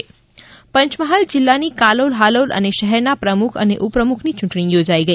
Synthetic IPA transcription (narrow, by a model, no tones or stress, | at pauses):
pəɲt͡ʃməɦald͡ʒɪlːanikalolɦalolʔə̰neʃəɦɛɾnapɾəmukʰə̰neʔupɾəmukʰnit͡ʃʊ̃ɳʈɽ̃ijod͡ʒaiɡəi